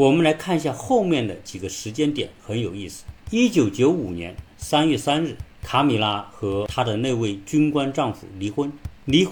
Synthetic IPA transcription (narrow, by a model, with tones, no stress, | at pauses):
wɔ˨˩mə˧˦nla˧˥ɪkʰa˥˧nɕja˥˧xo˥˧ʊmjɛ˥˩nd̪ə˩t͡ɕi˨˩ɡə˦ʂɻ̩˧˥t͡ɕjɛ˥nt̪jɛ̰˨˩˦nxə˧˥njo˨˩ʊi˥˩sɹ̩̥˨˩˦i˥t͡ɕjo˨˧˥ʊt͡ɕjo˧˥ʊu˨˩njɛ̰˧˥n | sa˥nɥɛ˥˩sa˥nɻ̩˥˩kʰa˧˥mi˨˩la˥xɤ˧˥t̪ʰa˥d̪ə˨ne˥˧ɪwe˥˩ɪt͡ɕy˥nkwa˥nʈ͡ʂɑ˥˩ŋfṵ˨˩li˧˥xwə˥nli˧˥